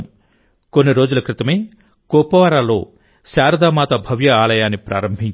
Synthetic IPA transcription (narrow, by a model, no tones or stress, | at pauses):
konːiɾo̞ːd͡ʒulɐkɾit̪ɐme̞ː | kɔːpɐʋaːɾaːlo̞̰ː | saːɾɐd̪aːmaːt̪ɐbʱɐʋjɐaːlɐjaːnːipɾʔa̰ːɾɐmbʱiɲt͡ʃ